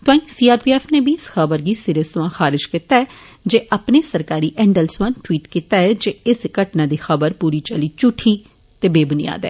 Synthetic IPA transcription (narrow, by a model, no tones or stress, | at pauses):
t̪oãːĩsiːaːɾpiːɛːfʰnebʱiɪsxəbəɾɡisɪɾəsʋãxaːɾɪd͡ʒkiːt̪aɛː | d͡ʒeːʔəpnesəɾkaːɾiʔɛ̃ːɳɖəlsʋãnʈwiːʈkiːt̪aɛd͡ʒeːɪskəʈnãːd̪iːxəbəɾpuːɾit͡ʃəlit͡ʃʊʈʰi | t̪eːbeːbʊnija̰ːd̪ɛ̰ː